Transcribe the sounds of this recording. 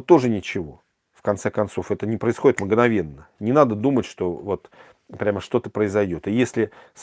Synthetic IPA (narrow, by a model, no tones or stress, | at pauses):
t̪o̞ʐɨnʲɪt͡ɕɪvo̞ | fkɐnt̪sɛkɐnt̪so̞fɛt̪ənʲɪpɾəɪsxo̞dʲɪt̪mɡnɐvʲe̞nːənʲɪnad̪əd̪umətʲʂt̪o̞vo̞t̪ | pɾʲaməʂt̪o̞t̪əpɾəɪzɐjdʲo̞t̪ɨjesʲlʲɪs